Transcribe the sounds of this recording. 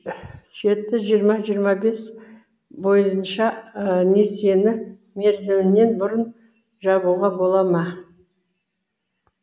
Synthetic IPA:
ʒ̥e̞t̪ːɪʒijəɾmɑʒijəɾmɑbe̞s | bo̞jəənʃɑne̞se̞nɪ | me̞ɾzɪmɪnːe̞nbʊɾən | ʒɑβuʁɑbo̞lˠɑmɑ

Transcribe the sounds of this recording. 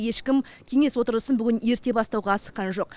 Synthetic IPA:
je̞ʃkʲɪm | kʲʰe̞ŋe̞swo̞t̪əɾəsənbʏɡʲɪne̞ɾt̪ːe̞bɑst̪ɑwʁɑːsə̥qːɑnʒo̞q̚

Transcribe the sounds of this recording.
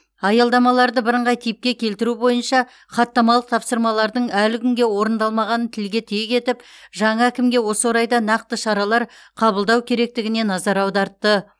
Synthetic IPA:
ɑjɑlˠd̪ɑmɑlˠɑɾd̪əbɪɾəɴʁɑjt̪ʰijɪp̚kʲe̞kʲʰe̞lt̪ɪɾubo̞jənʃɑ | χɑt̪ːɑmɑlˠəq̚t̪ʰɑpsəɾmɑlˠɑɾd̪əɴælɪkʲʏŋɡʲe̞wo̞ɾənd̪ɑlˠmɑʁɑnət̪ʰɪlɡʲe̞t̪ʰijekʲe̞t̪ɪpʒɑɴɑkʲɪmɡʲe̞wo̞səwɾɑjd̪ɑnɑqt̪əʃɑɾɑlˠɑɾ | qʰɑbəlˠd̪ɑwkʲʰe̞ɾe̞k̚t̪ɪɡʲɪne̞nɑzɑɾɑwd̪ɑɾt̪ːə

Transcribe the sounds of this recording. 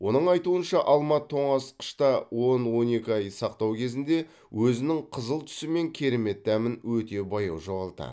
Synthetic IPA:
wo̞nəɴɑjt̪uənʃɑʔɑlˠmɑt̪ʰːo̞ɴɑsqə̥ʃt̪ɑwo̞nwo̞ne̞kʲɪɑjsɑq̚t̪ɑwkʲʰe̞zɪnd̪e̞ | wɵzɪnɪŋqʰəzəlˠt̪ʰʏ̥sɪme̞ŋkʲʰe̞ɾe̞me̞t̪̚ːæmɪnwɵt̪e̞bɑjɑ̰wʒoʁɑlˠt̪ɑ̰

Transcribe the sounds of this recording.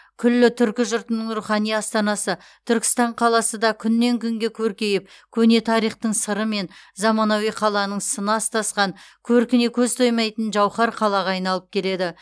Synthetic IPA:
kʲʰʏlːɪt̪ʰʏɾkʲɪʒʊɾt̪ənəɴɾuχɑnijɑst̪ɑnɑsə | t̪ʰʏɾkʲɪ̥st̪ɑɴqʰɑlˠɑsəd̪ɑkʲʰʏnːe̞ŋkʲʰʏŋɡʲe̞kʲʰɵɾkʲe̞jɪp̚kʲʰɵne̞t̪ʰɑɾijχt̪əɴsəɾəme̞nzɑmɑnowijqʰɑlˠɑnəɴsənɑst̪ʰɑsqɑŋkʲʰɵɾkʲɪne̞kʲʰɵzt̪ʰojmɑjt̪ənʒɑwχɑɾqʰɑlˠɑʁɑːɑjnɑlˠəp̚kʲʰe̞le̞d̪ɪ

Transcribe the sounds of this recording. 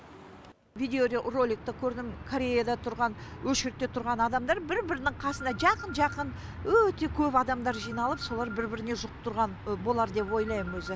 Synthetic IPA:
vid̪eoɾro̞lʲijk̚t̪əkʲʰɵɾɪnɪmkʰoɾʲe̞jad̪ɑt̪ʰʊɾʁɑnwɵʃɪɾt̪ːe̞t̪ʰʊɾʁɑnɑd̪ɑmd̪ɑɾbɪɾbɪɾɪnɪɴqʰɑsənd̪ɑʒɑqənʒɑqənwɵt̪e̞kʲʰɵpɑd̪ɑmd̪ɑɾʒijnɑlˠəpso̞lˠɑɾbɪɾbɪɾɪne̞ʒʊqt̪ʰːʊɾʁɑnbo̞lˠɑɾd̪e̞pwo̞jlˠɑjəmwɵzɪ

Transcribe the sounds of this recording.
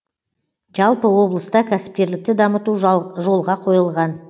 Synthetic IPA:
ʒ̥ɑlˠpəwo̞blˠəst̪ɑkʲʰæsɪ̥p̚k̪e̞ɾlɪk̚t̪ɪd̪ɑmət̪uʒo̞lˠʁɑqʰo̞jəlˠʁɑn

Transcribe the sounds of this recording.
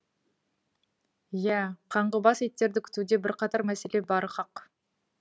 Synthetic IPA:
jæqʰɑɴʁəbɑset̪ːe̞ɾd̪ɪkʲʰʏ̥t̪ud̪e̞bɪɾqʰɑt̪ɑɾmæse̞lebɑɾəqʰɑq

